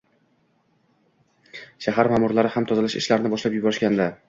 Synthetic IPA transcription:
ʃaɦaɾmaːmʊɾlaɾɪhamt̪ʰɒzɪlɪʃɪ̰ʃlaɾɪnɪbɒʃlapjʊbɒɾɪʃkʲand̪a

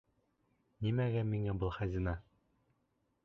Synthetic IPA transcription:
nimæɡæmiŋæbɤlˠχæzʲinɑ

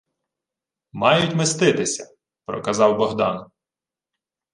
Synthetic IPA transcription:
mɑjʊtʲmɪst̪ɪt̪ɪsʲɐ | pɾɔkɐzɑwbɔɦd̪ɑn

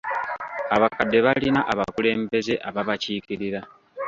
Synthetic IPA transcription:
aβakadːe̞βalinaʔaβa̰kule̞ːmbe̞ze̞ʔaβaβaciːkiɾiɾa

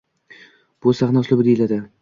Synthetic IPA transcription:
b̥ʊsaχnaslɪbd̪ejɪlad̪ɪ

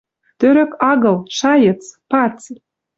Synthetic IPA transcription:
t̪øɾɘ̆kɑɣɤ̆lʃɑjət͡spɑt͡si

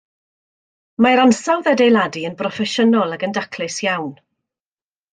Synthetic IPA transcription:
maɾansawðɛdejlˠadiənprɔfɛʃənɔlˠaɡəndakʰlɪsjawn

